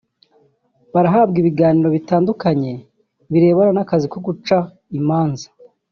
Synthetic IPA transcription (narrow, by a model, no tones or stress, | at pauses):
βaɾaɦaːb̚ɡiβiɡaːniɾo̞βitaːndukaɲe̞ | βiɾe̞ːβaɾanakazikoɡut͡ʃa | imaːnza